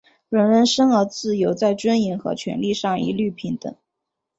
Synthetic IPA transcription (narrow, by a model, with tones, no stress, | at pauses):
ɻə˧˥nɻə˧˥nʂə˥ŋə˧˥t͡sɹ̩˥˩jo˧˥ʊt͡sa˥˩ɪʈ͡ʂwə˥ni˧˥nxɤ̰˧˥t͡ɕʰɥɛ̰˧˥nli˥˧ʂɑ˥˩ŋḭ˧˥ly˥˩pʰi˧˥nt̪ə̰˨˩˦ŋ